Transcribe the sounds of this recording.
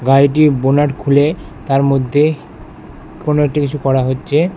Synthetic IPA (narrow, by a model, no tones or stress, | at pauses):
ɡajʈ̬ibonaʈkʰule | t̪aɾmod̪ʱːe | konoek̚ʈikit͡ɕʰukɔɾaɦotːɕʰe